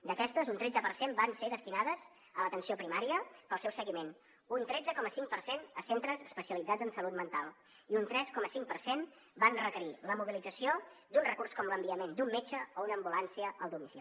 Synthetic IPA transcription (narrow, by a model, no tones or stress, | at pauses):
d̪əkɛst̪əzunt̪ɾed͡zəpəɾsembanseðəst̪inaðəz | ələt̪ənsiopɾimaɾiəpəlˠsɛwsəɣimen | unt̪ɾɛd͡zəkɔməsiŋkpərsenəsent̪ɾəzəspəsiəlid͡zad͡zənsəlut̪mənt̪alˠ | iunt̪ɾɛskɔməsiŋ̚pəɾsen | banrəkəɾiləmuβilid͡zəsiod̪unrəkurskɔmləmbiəmend̪umːet͡ʃəounəːmbulansiəʔəlˠd̪umisi